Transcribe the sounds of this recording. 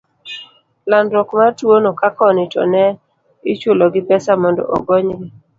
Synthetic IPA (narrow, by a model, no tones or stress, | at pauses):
landɾɔkmatwonokakɔnɪtɔ̰nɛ | ɪt͡ʃoloɡɪpɛsamɔndɔ̰ʔɔ̰ɡɔɲɡɪ